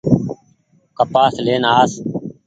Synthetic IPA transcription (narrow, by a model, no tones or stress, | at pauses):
kəpaːsleːnaːs